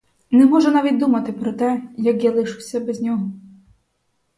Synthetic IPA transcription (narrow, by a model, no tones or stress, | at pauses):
nɛmɔʒɛnɑʋʲit̪̚ʲd̪umɐt̪ɪpɾɔt̪ɛjɐkjalˠɪʃɪwsʲɐbɛzʲnʲɔɦɔ